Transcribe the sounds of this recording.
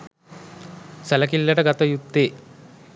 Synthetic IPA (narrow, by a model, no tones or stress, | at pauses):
sɐlɐkilːɐʈɐɡɐt̪ɐjut̪ːe